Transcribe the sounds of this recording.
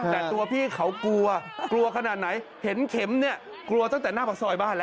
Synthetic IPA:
t̪ɛː˨t̪u˧ɐpʰiː˥˩kʰa˩˦wklu˧ɐklu˧ɐkʰa˧naː˨˩t̪̚na˩˦j | he˩˦nkʰe˩˦mni˥˩ɐ | klu˧ɐt̪a˥˩ŋt̪ɛː˨˩naː˥˩pa˨˩sɔː˧˩jbaː˥˩nlɛː˦˥

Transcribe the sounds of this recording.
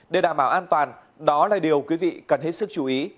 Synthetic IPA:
ɗe˨˩ɗaː˧˩mɓaː˧˩wʔaː˧nt̪waː˨˩n | ɗɔ˨˦laː˨˩ɗi˨˩əwkwi˨˦vḭ˧˨kə˨˩nɦe˦˥t̚sɨ˦˥k̚t͡ɕu˨˧˩ʔi˨˦

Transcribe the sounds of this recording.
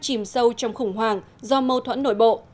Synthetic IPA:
t͡ɕi˧˩msə˧wt͡ɕɔ˧wŋ͡mxʊ˧˩ŋ͡mɦwaː˨˩ŋ | zɔ˧mə˧wt̪ʰwə̰˧˥nːo̰˧˩jɓo̰˧˨

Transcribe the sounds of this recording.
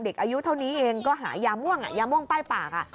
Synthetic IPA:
de˨˩k̚ʔaː˧ju˦˥t̪ʰa˥˩wniː˦˥ʔeː˧ŋkɔː˥˩ɦa̰ː˩˦jaː˧mu˥˩əŋʔa̰˨˩jaː˧mu˥˩əŋpaː˥˩jpaː˨˩k̚a̰˨˩

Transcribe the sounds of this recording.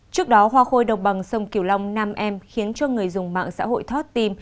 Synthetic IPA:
t͡ɕɨ˦˥ək̚ɗɔ˨˦ɦwaː˧xo˧jɗə˨˩wŋ͡mɓa˨˩ŋsə˧wŋ͡mki˧˩əwla˧wŋ͡mnaː˧mʔɛ˧mxi˨˦ənt͡ɕɔ˧ŋɨ˨˩əjzʊ˨˩ŋ͡mma̰ː˧˨ŋsa̰ː˧˥ɦo̰˧˨jt̪ʰo˦˥t̚t̪i˧m

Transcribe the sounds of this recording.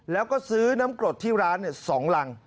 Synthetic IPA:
lɛː˦˥wkɔː˥˩sɯː˦˥na˦˥mkɾo˨˩t̪ʰːiː˥˩ɾaː˦˥nːi˥˩sɔː˩˦ŋla˧ŋ

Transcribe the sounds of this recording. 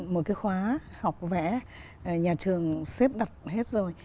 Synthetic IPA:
mo˨˩t̚kaː˨˦jxwaː˨˦ha˨˩wk͡p̚vɛ̰˧˥˨ | ɲaː˨˩t͡ɕɨ˨˩əŋse˦˥p̚ɗa˨˩t̚he˦˥t̚zo˨˩j

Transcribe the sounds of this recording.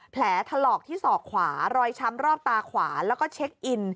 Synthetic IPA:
pʰlɛː˩˦t̪ʰa˧lɔː˨˩k̚t̪ʰiː˥˩sɔː˨˩k̚kʰwaː˩˦ɾɔː˧jt͡ɕʰa˧mɾɔː˥˩p̚t̪aː˧kʰwaː˩˦lɛː˦˥wkɔː˥˩t͡ɕʰe˦˥k̚ʔi˧n

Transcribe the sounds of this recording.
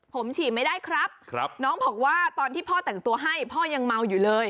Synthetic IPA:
pʰo˩˦mt͡ɕʰiː˨˩ma˥˩jdaː˥˩jkʰɾa˦˥p̚kʰpnɔː˦˥ŋbɔː˨˩k̚waː˥˩t̪ɔː˧nt̪ʰiː˥˩pʰɔː˥˩t̪ɛ˨˩ŋt̪u˧ɐɦa˥˩jpʰɔː˥˩ja˧ŋma˧wjuː˨˩lɤː˧j

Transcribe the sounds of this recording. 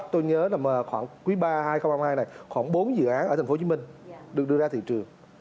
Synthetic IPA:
t̪o˧jɲəː˨˦laː˨˩mə˨˩xwaː˧˩ŋkwi˨˦ɓaː˧haː˧jxə˧wŋ͡mhaː˧mhaː˧jna˨˩jxwaː˧˩nɓo˨˦nzɨ̰˧˨ʔaː˨˦nəː˧˩t̪ʰŋ̟fo˦t͡ɕi˨˦mï˧˩ŋ̟ɗɨ˨˩k̚ɨ˧əzaː˧t̪ʰḭ˧˨t͡ɕɨ˨˩əŋ

